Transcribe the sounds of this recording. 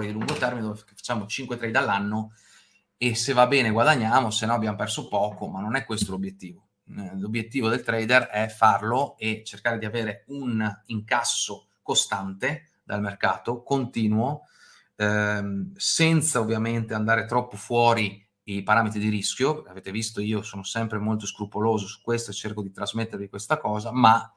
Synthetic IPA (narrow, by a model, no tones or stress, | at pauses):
ɾid̪iluŋɡot̪ɛrmined̪oveakefḁt͡ʃːaːmot͡ʃiŋkwet̪ɾɛjd̪alːanːo | esevabɛːneɡwad̪aɲːaːmosenːɔabːjamopɛrsopɔːkomanːonɛkːwest̪olobjet̪ːiːvo | lobːjet̪ːiːvod̪elt̪ɾɛjd̪erɛfarloet͡ʃerkaːɾed̪iaveːɾeuniŋkasːo | kost̪ant̪e | d̪almerkaːt̪okont̪iːnuo | sɛnt̪saovːjament̪eand̪aːɾet̪ɾɔpːofwɔːɾi | ipaɾaːmet̪ɾid̪iɾiskʲjopekeaveːt̪evist̪oiːosoːnosɛmpɾemolt̪oskɾupoloːzosu̥kːwest̪oet͡ʃːerkod̪it̪ɾazmet̪ːeɾvikwest̪akɔːzama